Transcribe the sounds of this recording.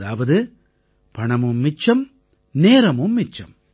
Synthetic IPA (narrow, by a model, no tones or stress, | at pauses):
aːʋɐðɯ | pɐɳɐmɯmːɪt͡ʃːɐm | neːɾɐmɯmːɪt͡ʃːɐ̰m